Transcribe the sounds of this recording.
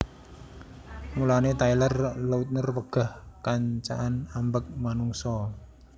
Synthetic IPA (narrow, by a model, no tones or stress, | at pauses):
mulanet̪ailərləut̪̚nərwəɡ̥a̤hkaɲt͡ʃa̰ʔanambək̚manuŋsɔ